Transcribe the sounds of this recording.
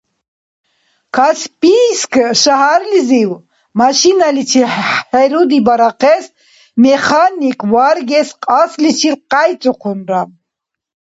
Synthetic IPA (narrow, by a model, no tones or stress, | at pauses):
kʰaspʼiskʰʃaɦaɾliziw | maʃinalit͡ʃʰihɛɾud̪ibaɾaqʰɛs | mɛχanikʰʼvaɾɡɛsqʼaslit͡ʃʰilqʼajt͡sʼuqʰunɾa